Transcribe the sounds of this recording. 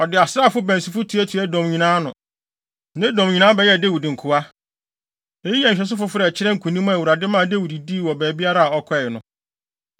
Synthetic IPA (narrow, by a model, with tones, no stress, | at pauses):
ɔ˨dɪ˨a˨sɾaː˦˨fʊ˦bæ̃˨n˨si˨fʊ˦tʰu˨˦æ˦tʰu˨æ˦dɔ̃˨mɲĩ˨nãː˦nʊ̃˨ | nɪ̃˦dɔ̃˨mɲĩ˨nã˦bɛ˨jɛ˦˨de˦wu˨dɪ˨ŋ̩˨kʰʊ˨a˦ | e˦i˦ɛ˨ɲ̩̃˨ɕᶣɛ˨s̬ʊ˦fʊ˦fʊ˦ɾɛ˨t͡ɕʰɪ˦ɾɛ̃˦ŋ̩˨kʰu˨nĩ˦mã˦˨wu˨ɾa˨dɪ˦mã˦˨de˦wu˨di˨di˦˨wɔ˨bæː˨bi˦a˦ɾa˦a˨ɔ˦kʰɔ˦˨nʊ̃˨